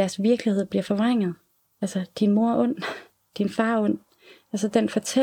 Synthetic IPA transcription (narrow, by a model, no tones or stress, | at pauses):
æɐsʋiɐɡ̥lihe̝ð̞̰ˠb̥liɐfɒ̽ʋʁaŋ̰ð̩ˠ | ælsəd̥inmo̝ɐ̰ʔɔ̽n̰ | d̥infɑ̈ːɔ̽n̰ | ælsəd̥enfɒ̽t͡sʰe